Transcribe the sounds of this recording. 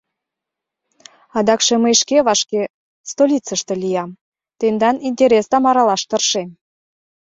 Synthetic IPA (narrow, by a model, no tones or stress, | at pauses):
ɑd̪ɑkʃeməjʃkeβɑʃke | st̪olʲit͡səʃt̪ə̆lʲijɑm | t̪end̪ɑninʲt̪ʲeɾʲest̪ɑmɑɾɑlɑʃt̪ərʃem